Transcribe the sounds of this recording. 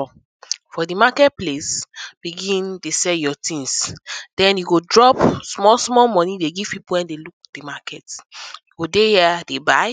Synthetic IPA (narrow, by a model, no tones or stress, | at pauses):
fɔdimakɛt̚plesb̥iɡĩndesɛljɔtĩnsd̥ɛ̃njuɡodɹɔpsmɔlsmɔlmɔ̃nideɡiv̥pipuwɛ̃ndeluk̚d̥imakɛtjuɡodehɛdebaɪ